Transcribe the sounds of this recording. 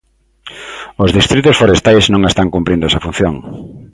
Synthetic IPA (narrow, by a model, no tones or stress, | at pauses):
ozðist̪ɾit̪ʊsfoɾest̪ajsznõŋest̪aŋkumpɾind̪ʊɛsɐfun̟θjoŋ